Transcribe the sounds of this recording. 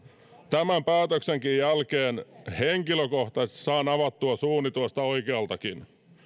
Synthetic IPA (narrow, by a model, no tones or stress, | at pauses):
t̪æmæmpæːt̪økseŋkijjælkeːnheŋkiløkoht̪ɑssɑːnɑʋɑt̪ːuɑsuːnit̪uest̪ɑoikeɑlt̪ɑkin